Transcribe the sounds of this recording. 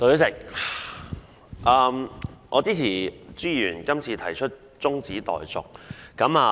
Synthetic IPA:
t̪o˧jsɪ˨˩k̚ | ʔaː˧mʔɔ̰ː˨˧t͡siː˥t͡sʰiː˨˩t͡syː˥jyː˨˩nkɐ˥mt͡sʰiː˧t̪ʰɐ˨˩jt͡ʃʰɵ˥t̚ | t͡sʊ˥ŋt͡siː˨˥t̪ɔ̰ː˨jt͡sʊ̰˨k̚ːɐ˨˧˥maː˨

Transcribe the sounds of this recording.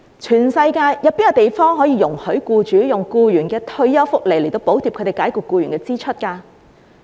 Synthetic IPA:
t͡ʃʰyː˨˩nsɐ˧jkaː˧jjɐ˨˧˥piː˥nkɐ˧t̪e˨jfɔː˥ŋɦɔː˨˥jiː˧jʊ˨˩ŋhɵ˨˥ɥkuː˧t͡ʃyː˨˥jʊ˨˩ŋkuː˧jyː˨˩nkɛː˧t̪ʰɵ˧ɥjɐ˥wfʊ˥k̚le˨˩jle˨˩t̪o˧wpo˨˥wt̪ʰi˨˩pkʰɵ˨˧t̪e˨jkaː˨˥jkʊ˨˩kːuː˧jɥyː˨˩nkɛː˧t͡siː˥t͡ʃʰɵ˥t̚kaː˧

